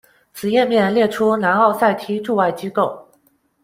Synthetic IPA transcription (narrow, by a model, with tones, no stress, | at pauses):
t͡sʰɹ̩˨˩jɛ˥˧nmjɛ˥˧nljɛ˥˩ʈ͡ʂʰu˥na˧˥nɑ˥˧ʊsa˥˩ɪt̪ʰi˧˥ʈ͡ʂu˥˧wa˥˩ɪt͡ɕi˥ko˥˩ʊ